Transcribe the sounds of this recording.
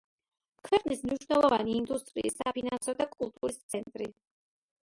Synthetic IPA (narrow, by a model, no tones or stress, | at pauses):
kʰvɛqʼnismniʃwnɛlˠɔvaniːnd̪ust̪ʼɾḭːsapʰinansɔd̪akʼulˠt̪ʼuɾist̪sʰɛnt̪ʼɾi